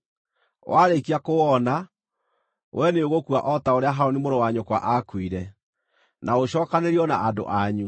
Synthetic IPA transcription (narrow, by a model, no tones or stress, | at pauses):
wʔaɾekiakowɔna | wʔɛneoɣokuaʔɔtaoɾeaɦaonemoɾowaɲokwa̰ʔakwiɾɛ | naoɕɔːkaneɾiɔnaado̰ʔaɲu